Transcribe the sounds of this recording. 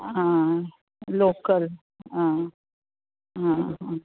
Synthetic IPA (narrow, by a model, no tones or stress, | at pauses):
ɦã | lokəl | ɦã | ɦãɦã